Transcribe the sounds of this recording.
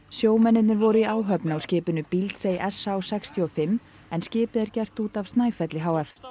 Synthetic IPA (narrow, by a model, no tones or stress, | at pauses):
sjoːwmɛnːɪt̪nɪɾvɔɾʏiʔaːwɦœpnawscɪːpʏnʏpilt̪sejʔɛsːaːwsɛkst̪ʰjiɔfɪmː | ɛnscɪːpɪðɛɾcɛr̥t̪uːt̪avst̪naːjfɛt̪lɪɦaːwɛθ